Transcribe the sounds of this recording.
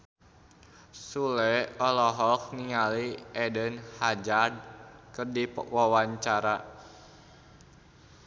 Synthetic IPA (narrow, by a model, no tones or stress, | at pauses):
sulɛɔlɔɦɔk̚niŋaliʔɛdənhad͡ʒard̚kɨrdipwawaɲt͡ʃaɾa